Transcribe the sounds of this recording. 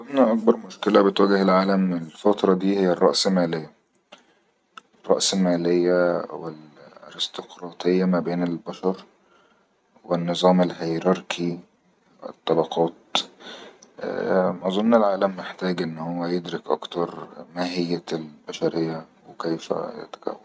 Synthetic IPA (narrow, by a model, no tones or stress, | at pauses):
ʔɑzˤomnɑʔɑk̚bɑɾˤmoʃkelæbet̪wæːɡehelʕaːlæmelfɑt̪ɾˤɑd̪iːhejːærˤːɑ̰ʔselmæːlejːæ | rˤːɑ̰ʔselmæːlejːæwelɾest̪ɑqɾˤɑːt̪ejːæmæbeːnelbæʃɑɾˤ | wenːɨzˤɑːmelhejɾɑɾkʰi | wḛt̪ˤːɑbɑqʰɑːt̪̚ | mʔɑzˤonːelʕaːlæmːeħt̪æːɡʔenːhowːæjed̪ɾekʔɑ̰kt̪ɑɾˤmæːɦɪjːælbæʃæɾejːæwekejfæ̰jḛt̪æ̥kæ̰wːæl